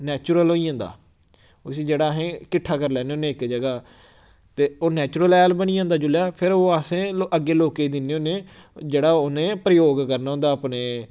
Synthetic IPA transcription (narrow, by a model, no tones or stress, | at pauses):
nɛːt͡ʃʊɾəlɦoːiãːnd̪a̰ː | sĩːd͡ʒeːɽaːɦẽːkɪʈʰːaːkəɾlɛːneoːnẽːɪkd͡ʒəɡaː | t̪eːoːnɛːt͡ʃʊɾəlɛːlbəniːãːnd̪aːd͡ʒʊljaːpʰɪɾoːasẽːoʔəɡːeːloːkeːid̪ɪnːeoːnẽːd͡ʒeːɽaːʊnẽːpɾəjoːɡkəɾnaːɦʊ̃nd̪aːəpneː